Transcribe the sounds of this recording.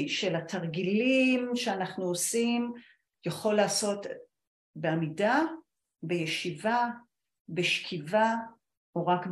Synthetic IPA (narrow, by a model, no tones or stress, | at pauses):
ʃelatʰaʁɡilimʃeanaχnuosim | jaχo̞lːaːso̞t | beamida | bejeʃiva | beʃkʰiva | oʁakb